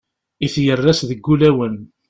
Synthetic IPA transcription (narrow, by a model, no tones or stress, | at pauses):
iθjərˤːæsðəɡːulæwən